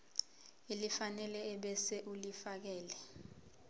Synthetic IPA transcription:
ilifanɛlɛːɓɛsɛʔulifak̬ɛːlɛ

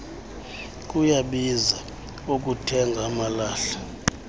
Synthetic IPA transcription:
k̬ʼujaɓiza | uk̬ʼutʰɛŋɡʱamalaːɬḁ

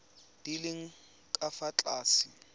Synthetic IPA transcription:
d̥ilɪŋ̩ | kʼafat͡ɬʼaːsi

